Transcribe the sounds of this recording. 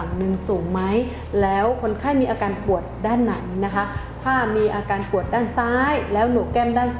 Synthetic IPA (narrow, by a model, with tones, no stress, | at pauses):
wnɯ˧ŋsuː˨˩˦ŋma˦˥j | lɛː˦˥wkʰo˧˥nkʰaː˥˩jmiː˧ʔaː˧kaː˧npu˨˩ət̪̚daː˥˩nːa̰˨˩˦jna˦˥kʰa˦˥ | p̪ʰaː˥˩miː˧ʔaː˧kaː˧npu˨˩ət̪̚daː˥˩nsaː˦˥jlɛː˦˥wnoː˨˩kɛː˥˩mdaː˥˩n